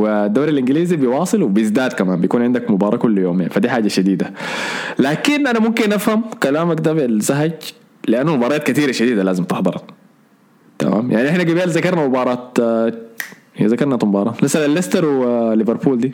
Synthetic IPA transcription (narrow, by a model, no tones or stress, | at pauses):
wd̪ːawɾalʔɪŋɡliːzibijwɑːsˤɨlwɪbijɪzd̪aːd̪kamaːmbijkuːnʕɪnd̪akmʊbɑːɾˤɑːkulːjoːmḛːnfad̪iːħaːɟaʃad̪iːd̪alaːkinʔanamʊmkinʔafhamkalaːmakd̪aːblzaɦaɟ | lɪʔanːumʊbɑːɾˤɑːt̪̚kat̪iːɾaʃad̪iːd̪alaːzɪmt̪ɪħd̪ˤɨɾˤɑ | t̪a̰ma̰ːmjʔaʕniʔɪħnaɡabiːlzakɑɾˤnamʊbɑːɾˤɑːt̪ | zakɑɾnat̪mʊbɑːɾˤɑːt̪masalanlːest̪ɑɾˤwlːɪveɾˤpuːld̪iː